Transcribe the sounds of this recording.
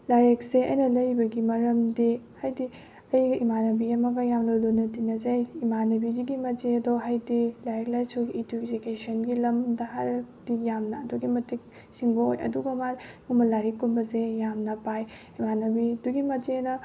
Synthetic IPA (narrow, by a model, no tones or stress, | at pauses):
laɾek̚seɐ̰jnɐlɐjbɐɡimɐɾɐmdihajdi | ɐjɡɐimanɐbiɐmɐɡɐjamlolonɐtinɐzejimanɐbiziɡimɐd͡ʒeɐdoɦajdilaɾek̚lajsuɡiːdud͡ʒikesɐnɡilɐmdɐɦaɾɐkd̥ijamnɐːduɡimɐtik̚ | siŋbɐojɐ̰duɡɐŋaŋumɐlaɾekːunbɐzejamnɐpaj | imanɐbiduɡimɐd͡ʒenɐ